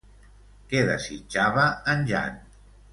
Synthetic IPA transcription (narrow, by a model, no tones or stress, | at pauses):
kɛðəsit͡ʃaβəːnʲʒa̰n